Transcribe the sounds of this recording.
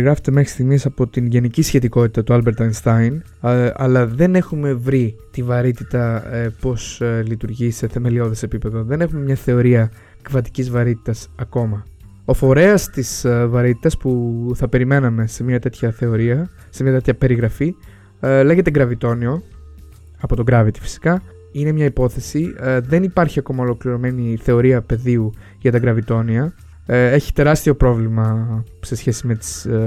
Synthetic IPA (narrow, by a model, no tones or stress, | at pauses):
ɣɾɐfet̪e̞me̞xɾi̥st̪iɣnisɐpo̞t̪inʝenicisçe̞t̪iko̞t̪i̥t̪ɐt̪uɐlbeɾt̪ɐinst̪ɐjn | ɐlɐðe̞ne̞xume̞vɾit̪ivɐɾit̪it̪ɐpo̞slit̪uɾʝise̞θe̞me̞lio̞ðese̞pipe̞ðo̞ðe̞ne̞xume̞mɲɐθe̞o̞ɾiɐ | kvɐt̪i̥cizvɐɾit̪i̥t̪ɐsɐko̞mɐ | o̞fo̞ɾe̞ɐst̪isvɐɾit̪i̥t̪ɐspuθɐpe̞ɾime̞nɐme̞se̞mɲɐt̪e̞t̪çɐθe̞o̞ɾiɐ | se̞mɲɐt̪et̪çɐpe̞ɾiɣɾɐfi | le̞ɣet̪eɡɾɐvit̪o̞nio̞ | ɐpo̞t̪o̞ɡɾɐvit̪i̥fi̥si̥kɐ | ine̞mɲɐipo̞θe̞siðe̞nipɐɾçiɐko̞mɐolo̞kliɾo̞me̞niθe̞o̞ɾiɐpe̞ðiu | ʝɐt̪ɐɡɾɐvit̪o̞niɐ | e̞çi̥t̪e̞ɾɐst̪io̞pɾo̞vlimɐ | se̞sçe̞sime̞t̪i̥s